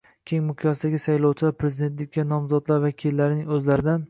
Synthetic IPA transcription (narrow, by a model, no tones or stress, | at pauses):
kʲʰeŋʲmʊqʰjɒsd̪aɡʲɪsajlɒwt͡ʃʰɪlaɾpʰɾezid̪e̞nt̪lɪkʲʰːanɒmzɒd̪laɾvakʲʰilːaɾɪnɪŋɵzlaɾɪd̪an